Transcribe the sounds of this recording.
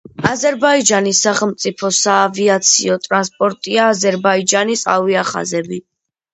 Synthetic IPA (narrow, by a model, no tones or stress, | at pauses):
azɛɾbaid͡ʒanisaχɛlˠmt̪sʼipʰɔsaːviat̪sʰḭɔt̪ʼɾanspʼɔɾt̪ʼiaːzɛɾbaid͡ʒanisa̰viaχa̰zɛbi